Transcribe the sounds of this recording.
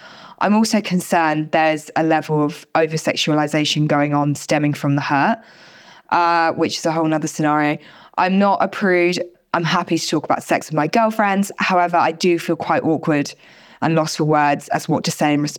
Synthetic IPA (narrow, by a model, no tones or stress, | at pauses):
ʔã̰ɪ̃mɔˑlˠsəʊkʰə̃nsɜːnðəzəlɛvələv̥əʊvəsɛ̰kʃəəlɪzeɪʃə̃nɡəʊɪ̃ŋə̃nstɛmɪ̃ŋfɹə̃mðəhɜˑʔ | ʔʌwɪt͡ʃɪz̥əɦoʊlˠnʌðəsɪnɑːɹiəʊ | ʔã̰ɪ̃mnətəpʰɹ̥ʉːvd | ʔãɪ̃mɦapitʰə̥tʰɔˑkəb̥aʊtsɛksəvmaɪɡɜːlˠfɹɛ̃ndz̥haʊɛvəɹa̰ɪdəfiːlˠkʰw̥aɪʔɔˑkʰwəd | ʔə̃nlɒsfəwɜːdz̥ə̰zwɒʔ̚dʰəseɪɪ̃nɹɪs